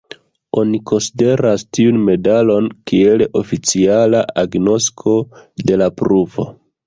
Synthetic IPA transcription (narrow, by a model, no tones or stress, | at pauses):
o̞niko̞nside̞ɾastiunme̞dalo̞nkie̞lʔo̞fit͡sialaaɡno̞skʰo̞de̞lapɾuvo̞̰